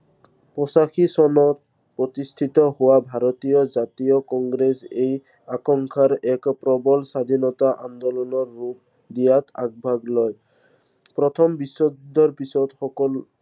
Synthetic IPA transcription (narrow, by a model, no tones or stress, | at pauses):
pɔsaxʰisɔnɔt̪̚ | pɹɔt̪ist̪ʰit̪ɔɦowabʱaɾɔt̪ijɔzat̪ijɔkɔŋɡɾesej | akɔŋkʰaɾɛkpɾɔbɔlsad̪ʱinɔt̪aʔand̪ɔlɔnɔɹːup̚ | d̪ijat̪a̰ɡ̚bʱaɡlɔj | pɹɔt̪ʰɔmbisɔd̪ɔɹpisɔtxɔkɔl